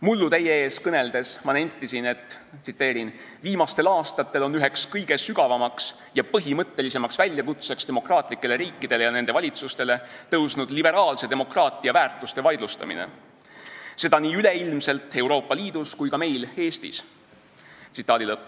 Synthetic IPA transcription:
mulːut̪e̞jee̞ːskɤne̞ld̪̥e̞smɑne̞nʲt̪ːˑisine̞t̪ːˑ | t̪sit̪ːˑe̞ːɾin | viːmɑst̪e̞lɑːst̪ɑt̪ːˑe̞lo̞nːyɦe̞kskɤjɡ̥e̞syɡ̥ɑvɑmɑks | jɑpɤɦimɤt̪ːe̞lise̞mɑksvælʲjɑkut̪se̞kst̪e̞mo̞krɑːt̪ˑlikːˑe̞le̞ɾiːkːˑid̪̥e̞lejɑne̞nd̪̥e̞vɑlʲit̪sust̪e̞le̞t̪ɤwsnud̪libe̞ɾɑːlse̞d̪̥emo̞krɑːt̪ːˑiɑvæːrt̪ːˑust̪e̞vɑjd̪lust̪ɑ̰mḭnḛ | se̞d̪ɑniːyle̞ilmse̞lt̪ːˑe̞uwɾo̞ːpːˑɑliːd̪̥uskujkɑme̞jle̞ːst̪ḭs | t̪sit̪ˑːɑːd̪ilɤpːˑ

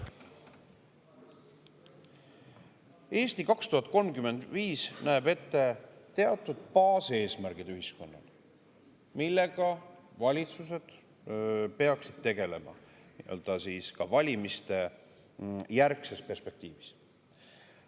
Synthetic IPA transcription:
e̞ːst̪ikɑkst̪uɦɑt̪̚ˑko̞lmkyme̞nd̪viːsnæebe̞t̪ːe̞t̪e̞ɑt̪ːˑud̪̥pɑːse̞ːsmæɾɡ̥id̪̥yhɦisko̞nːɑ̰l | milːe̞ɡ̥ɑvɑlʲit̪suse̞d̪̥ | pe̞ɑksid̪̥̚t̪e̞ɡ̥e̞le̞̰mɑ̰iø̰ld̪̥ɑsiːskɑvɑlʲimist̪e̞ | jærkse̞spe̞rspe̞k̚t̪iːvis

